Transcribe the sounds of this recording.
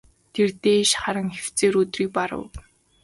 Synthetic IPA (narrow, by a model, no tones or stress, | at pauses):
t̪ʰert̪eːʃχaɾə̆ŋxe̥w̥t͡seːɾɵt̪riːk̚paɾə̰w